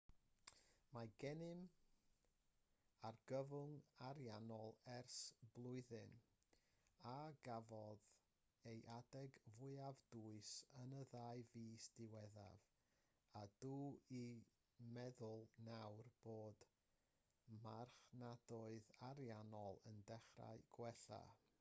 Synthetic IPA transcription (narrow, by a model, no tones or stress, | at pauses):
maɡ̥ɛnɪm | arɡ̥əvʊŋaɾjanɔlˠɛrsb̥lˠʊɨðɨn | aɡavɔð | ejʔadɛɡvʊɨavduɨsənəðaːɨviːsd̥ɪwɛða̰v | aduːi | mɛðʊlˠnawrb̥oːd | marχnad̥ʊɨðaɾjanɔlˠəndɛχra̰ɨɡ̥wɛɬa̰